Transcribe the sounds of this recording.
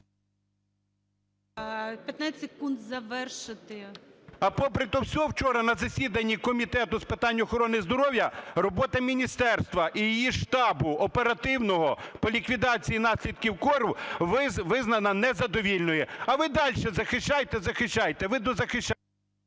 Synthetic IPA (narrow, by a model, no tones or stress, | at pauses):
pʲjɐt̪nasʲekund̪zɐʋɛrʃɪt̪ɪɐpɔpɾɪt̪ɔwsʲɔɦɔwt͡ʃɔɾɐnɐzɐsʲid̪ɐnʲːikɔmʲit̪ɛt̪ʊspɪt̪ɑnʲːʊːxɔɾɔnɪzd̪ɔɾɔwjɐrɔbɔt̪ɐmʲinʲist̪ɛrst̪ʋɐʔijijiʃt̪ɑbʊɔpeɾɐt̪ɪwnɔɦɔpɔlʲikʋʲid̪ɑt͡sʲijinɑsʲlʲid̪̚kʲiwkɔɾʊɪʋɪznɐnɐnɛzɐd̪ɔʋʲilʲnɔjɛɐʋɪd̪ɑlʲʃɛzɐxɪʃt͡ʃɑjt̪ɛzɐxɪʃt͡ʃːɑjt̪ɛʋɪd̪ɔzɐxɪʃt͡ʃ